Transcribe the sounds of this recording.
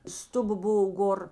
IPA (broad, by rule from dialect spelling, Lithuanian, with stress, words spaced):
ˈstʊˌbɐ ˈboːʋoː ˈɡoːr